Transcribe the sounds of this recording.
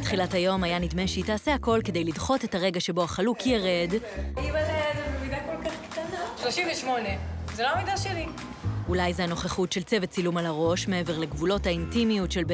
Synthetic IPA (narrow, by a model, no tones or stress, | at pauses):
itχilathajo̞majanidme̞ʃeitaːseako̞lke̞de̞jlidχo̞tethaʁe̞ɡaʃe̞bo̞aχalukijeʁedimaleezememidakolkaχkt̪anaʃloʃimveʃmo̞nezeloamidaʃeli | ulajzeano̞χeχutʃelt͡sevet͡silumalaʁo̞ʃme̞eve̞ʁleɡvulo̞thaintimijutʃe̞lbe